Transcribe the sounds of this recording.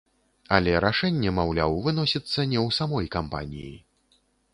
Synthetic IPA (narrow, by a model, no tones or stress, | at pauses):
ɐlʲɛɾaʂɛnʲːɛmawlʲawvɨnɔsʲit̪sːɐnʲɛwsamɔjkampa̰nʲḭji